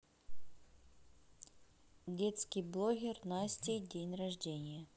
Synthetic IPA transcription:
dʲet̪skʲɪjblˠoɣʲɪrnasʲtʲɪdʲenʲrɐʐdʲenʲɪjə

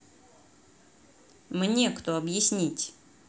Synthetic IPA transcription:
mnʲekt̪oɐbjɪsʲnʲitʲ

